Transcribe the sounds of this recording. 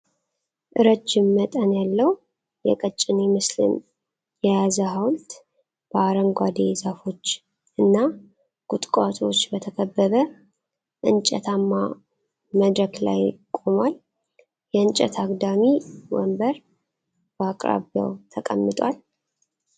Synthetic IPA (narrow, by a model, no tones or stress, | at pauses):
ʔɨɾət͡ʃːɪmːət̪ʼənjalːəw | jɛ̰kʼət͡ʃʼːɪnemɨslɨ̰n | jɛjazəɦawlt̪ | b̥əaɾəŋɡʷad̪ezafo̞t͡ʃː | ʔɨnːa | ɡ̥ut̪ʼkʼat̪ʼo̞t͡ʃːbət̪ʰəkʰəbːəβə | ʔɨnt͡ʃʼɛ̰t̪ʰamːa | məd̪ɾəkla̰jkʼomwal | jɛɨnt͡ʃʼɛ̰t̪ʰaɡd̪amiwə̰mbəɾ | bəakʼɾa̰βja̰wt̪ʰəkʼə̰mːɨt̪ʼwal